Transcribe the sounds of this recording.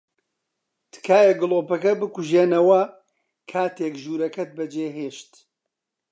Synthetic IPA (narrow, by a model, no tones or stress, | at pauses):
t̪ʰɨ̥kaːjɐɡɨlˠoːpɐkɐbɨkuʒeːnɐwɐ | kʰaːt̪eːkʒuːɾɐkɐt̪̚bɐd͡ʒeːɦeːʃt̪